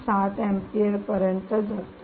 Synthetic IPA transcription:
sat̪ɛ̃mpieɾpəɾjənt̪əd͡zat̪

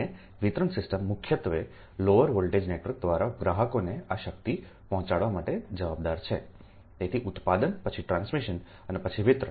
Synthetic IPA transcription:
e | ʋɪt̪ɾəɳsɪsʈəmːʊkʰjət̪ʋe | loʋəɾʋəlʈed͡ʒnekɾək̚d̪ʋaɾaɡɾaɦəkoneaʃək̚t̪i | pɔɦɔ̃t͡ʃaɽʋamaʈed͡ʒəʋabd̪aɾt͡ʃʰe | t̪et̪ʰiʔʊt̪pad̪ənpət͡ʃʰiʈɾãnsmiʃən | ənepət͡ʃʰiʋɪt̪ɾə

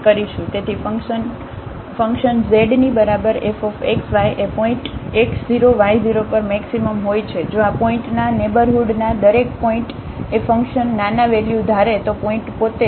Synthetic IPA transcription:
kəɾiʃũt̪et̪ʰifəŋən | fə̃ŋkʃənzeɖnibəɾabəɾefɔfeksʋajʔepɔĩɳʈekziɾoʋajd͡ʒiɾopəɾmɛksiməmɦojt͡ʃʰed͡ʒoapɔĩʈnanebəɾɦuɖnad̪əɾek̚pɔĩɳʈ | efə̃ŋkʃənːanaʋɛljud̪ʱaɾet̪opɔĩʈpot̪e

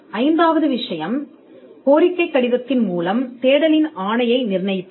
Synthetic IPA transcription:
ɐɪnd̪aːʋɐðɯʋɪʂɐjɐm | koːɾɪkːɐɪkːɐɽɪðɐt̪ːɪnmuːlɐmt̪eːɽɐlɪnaːnɐjɐɪnɪrnɐjt̪ː

